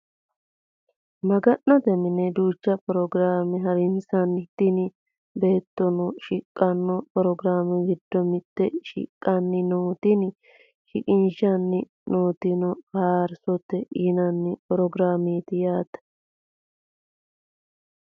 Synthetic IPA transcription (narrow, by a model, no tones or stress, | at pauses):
mɐɡɐnːɐt̪ɛmɪnɛd̪uːt͡ʃːɐpɔɾɔɡɾaːmɛɦɐɾɪnsɐnːɪt̪ːɪnɪ | be̞ːt̪ːɔnɔʃɪkʼːɐnːɔpɔɾɔɡɾaːmɛɡɪd̪ːɔmɪt̪ːɛʃɪ̰kʼːɐnːɪnoːt̪ɪnɪ | ʃɪ̰kʼɪnʃɐnːɪ | noːt̪ɪnɔfaːɾsɔt̪ːɛʔɪnɐnːɪpɔɾɔɡɾaːmeːt̪ɪjaːt̪ːɐ̥